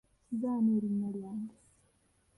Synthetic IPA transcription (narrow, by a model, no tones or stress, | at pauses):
zaːneɾinːaljaːŋɡe